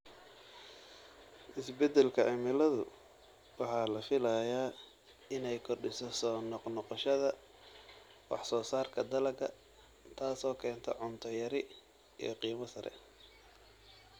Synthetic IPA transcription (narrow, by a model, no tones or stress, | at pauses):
ʔɪsbɛd̪ɛlkʰɐʕɪmɪlɐðʊ̰ | wɑħɑːlɐfɪlɐjaː | ɪnɛjkʰɔrɖɪsɔsɔːnɔqnɔqɔʃɐðɐ | wɑ̰ħsɔːsaːrkʰɐd̪ɐlɐɡɐ | t̪ʰaːsɔːkʰɛːnt̪ʰɔʕʊnt̪ʰɔjɐɾɪ | ḭːjqiːmɐsɐɾʔɛ̰